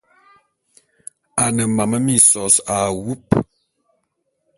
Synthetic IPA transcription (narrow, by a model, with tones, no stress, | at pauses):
a˨nə˨ma˨mə˦mi˦sɔ˨sa˨wu˦p